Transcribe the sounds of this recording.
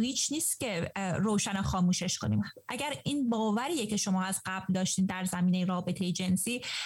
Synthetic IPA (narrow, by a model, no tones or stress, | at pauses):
hiːt͡ʃʰniːst̪̚cʲe̞ɾoːʃænoxɒːmuːʃe̞ʃkʰoniːmʔæɟæɾiːnbɒːvæɾiːjece̞ʃo̞mɒːæz̥ɢæbld̪ɒːʃt̪iːnd̪æɾzæmiːne̞jeɾɒːbe̞t̪ʰe̞jed͡ʒe̞nsiː